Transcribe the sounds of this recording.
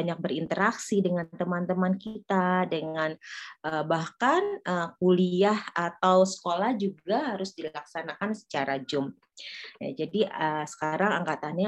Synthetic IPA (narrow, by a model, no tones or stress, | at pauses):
aɲak̚bərint̪əɾaksidəŋant̪əmant̪əmankit̪adəŋanʔəbahkanʔəkuliahat̪awsə̥kolahd͡ʒuɡaɦaɾʊsdilaksanakansə̥t͡ʃaɾad͡ʒʊm | ja̰d͡ʒadiəsə̥kaɾaŋaŋkat̪anɲa